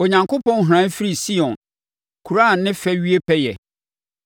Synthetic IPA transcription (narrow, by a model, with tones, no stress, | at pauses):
o˨ɲã˨ŋkʰʊ˦pʰɔ̃˦n˦ɦʊ˨ɾã˨˦n˦fi˦ɾi˨si˦ɔ̃˨n | kʰu˨ɾa˦˨n˨nːɪ̃˦fɛ˦ɥi˦e˦pʰɛ˦jɛ̰˨